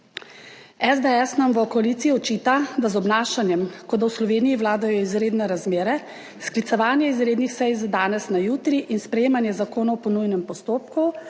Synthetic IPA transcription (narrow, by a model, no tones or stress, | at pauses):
ɛzd̪eɛsnamʋəkɔaliːt̪siiɔt͡ʃiːt̪ad̪azɔbnaːʃanjɛmkɔd̪awslɔʋeːnijiʋlaːd̪ajɔizɾeːd̪nɛɾazmeːɾɛ | sklit̪sɛʋaːnjɛizɾeːd̪nixsɛjzad̪aːnɛsnajuːt̪ɾiʔinspɾɛjeːmanjɛzakoːnawɔpɔnujnɛmpɔst̪oːp̚ku